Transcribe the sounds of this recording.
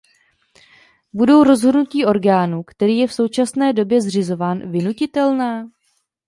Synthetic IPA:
budo̞wɾo̞zɦodnuciːʔo̞ɾɡaːnukt̪ɛɾiːjɛfso̞wt͡ʃasnɛːdo̞bjɛzr̝ɪzo̞vaːnvɪnucɪt̪ɛlnaː

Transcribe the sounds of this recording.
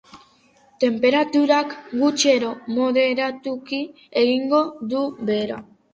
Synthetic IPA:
t̪e̞mpe̞ɾat̪uɾakɡut͡ʃe̞ɾo̞mo̞ðe̞ɾat̪uki | eɣiŋɡo̞ðuβe̞ɾa̰

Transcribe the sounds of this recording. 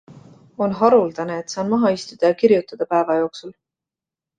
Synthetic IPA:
o̞nɦɑɾuld̪̥ɑne̞et̪ːsɑːnmɑɦɑist̪ud̪̥ɑjɑkiɾjut̪ːˑɑd̪̥ɑpæevɑjo̞ːksul

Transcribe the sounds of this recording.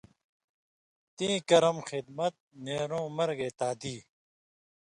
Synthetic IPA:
t̪ĩːkɐɾɐmxɪd̪mɐt̪̚neːɾõːmɐɾɡeːt̪aːd̪iː

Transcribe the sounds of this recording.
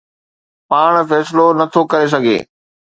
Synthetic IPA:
paːɽ̃fɛːslonɐt̪ʰokɐɾes̬ɐɡʱḛː

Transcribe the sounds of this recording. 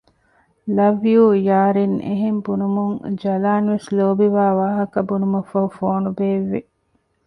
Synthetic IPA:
lɐʋijuːjaːɾinḛɦembunumuŋd͡ʒɐlaːnʋesloːbiʋaːʋaːɦɐkɐbunumɐfɐɦufoːnubeːʋːe

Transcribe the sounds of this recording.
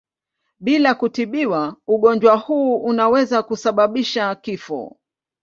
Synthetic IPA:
ɓilakutiɓiwauɠɔnd͡ʒwahuːunawɛzakusaɓaɓiʃakifɔ̰

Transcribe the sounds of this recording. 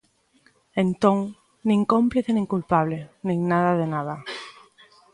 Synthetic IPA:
ẽnt̪õŋ | nĩŋkõmpliθenĩŋkulpaβlenĩŋnaðaðenaða

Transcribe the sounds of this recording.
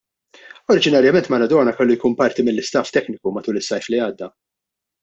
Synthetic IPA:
ɔɾɪd͡ʒɪnɐɾjɐmɛnt̪mɐnɐd̪ɔːnɐkɛlːujkuːnpɐɾt̪imɪlːɪst̪ɐft̪ɛknɪkumɐt̪uːlɪsːɐjfliɐːd̪ːɐ

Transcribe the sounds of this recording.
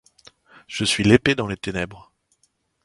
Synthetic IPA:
ʒ̥əsɥileped̪ɑ̃let̪enɛbʁ

